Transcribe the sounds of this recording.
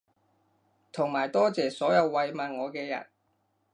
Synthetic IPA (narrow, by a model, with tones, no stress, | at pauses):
t̪ʰʊ˨˩ŋmaː˨˩jt̪ɔː˥t͡sɛː˨sɔː˨˥jɐ˨˧wːɐ˧jmaː˨nŋɔː˨˧kɛː˧jɐ̰˨˩n